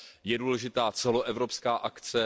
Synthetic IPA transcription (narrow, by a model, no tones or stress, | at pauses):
jɛduːlɛʒɪt̪aːt͡sɛlo̞ʔɛvɾo̞pskaːʔakt͡sɛ